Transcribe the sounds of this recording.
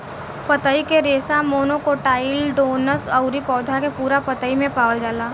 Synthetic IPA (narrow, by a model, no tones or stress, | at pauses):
pət̪əikeɾeːsãmoːnokoʈaːɪlɖoːnəsəʊɾipɔːd̪ʱakepuːɾapət̪əimẽpaːʋəld͡ʒaːlaː